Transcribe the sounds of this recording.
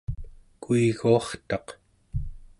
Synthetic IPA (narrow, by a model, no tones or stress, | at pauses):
kuiɣuɑχt̪ɑq